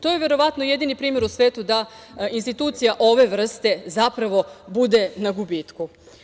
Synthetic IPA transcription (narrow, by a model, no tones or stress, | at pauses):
t̪o̞je̞ʋe̞ɾo̞ʋat̪noje̞d̪inipɾiːme̞ɾusʋe̞ːt̪ud̪ainst̪it̪uːt̪sijaʔo̞ʋe̞ʋr̩st̪e̞zapɾaʋo̞bud̪e̞naɡubiːt̪ku